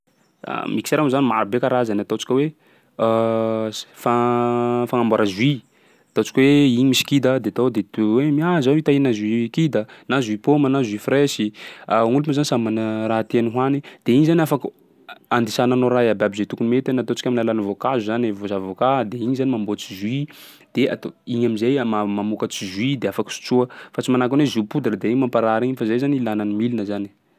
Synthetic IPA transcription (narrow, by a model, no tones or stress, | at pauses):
a̰miki̥seɾamzanimaɾibekaɾazanat̪ot͡si̥kʲwe | fa | faŋambaɾazwi | at̪ot͡si̥kʲweiɲimisi̥kid̪əd̪eat̪od̪et̪wemiazait̪ainazwikid̪ənazuipomənazwifreʃiaŋulumazanisamanraɦat̪eniɦwanid̪̥eiɲizaniafaku | and̪isananoɾaiababizet̪ukunimet̪anat̪ot͡sikʲaminalanəvokazuzanevozavokad̪eiɲizanimambot͡sizwid̪̥ea̰t̪oiɲamizajmamamukət͡sizwid̪eafakə̥su̥t͡suəfat͡simanakunwezupud̪aɾəd̪eiɲmampaɾaɾiɲifazajzanilananimilinəzani̥